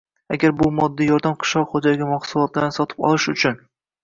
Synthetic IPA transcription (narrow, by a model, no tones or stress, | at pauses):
aɡʲaɾbʊmɒd̪ːijɒɾd̪amqʰɨ̥ʃlˠɒqχod͡ʒalɪɡʲamɒχsʊlˠɒt̪ʰlaɾnɪsɒt̪ʰɪ̥pɒ̰lˠɪʃʊt͡ʃʰʊn